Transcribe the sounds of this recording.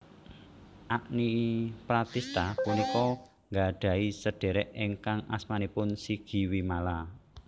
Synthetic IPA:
ʔaʔnipɾat̪ist̪apunikɔ | ŋɡaɖ̥a̤isəɖ̥e̤ɾɛʔeŋkaŋa̰smanipʊnsiɡ̥i̤wimala

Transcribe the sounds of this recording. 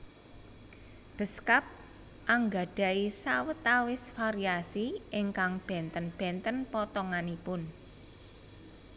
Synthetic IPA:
b̥ə̤skap̚ | ʔaŋɡa̤ɖ̥a̤isawət̪awɪsfaɾiasiʔɪŋkaŋb̥ɛ̤nt̪ənb̥ɛ̤nt̪ənpɔt̪ɔŋanipʊn

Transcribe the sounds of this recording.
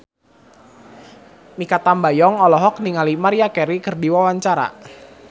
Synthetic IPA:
mikat̪ambajɔŋɔlɔɦɔk̚niŋalimaɾiakɛɾikɨrdiwawaɲt͡ʃaɾa̰

